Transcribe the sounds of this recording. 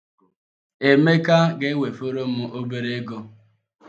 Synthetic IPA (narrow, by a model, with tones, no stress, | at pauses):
e˨me˦ka˦ɡe˦we˨fo˦ɾo˦m̩˦mʊ˦ʔo˦be˦ɾe˦e˦ɡo˦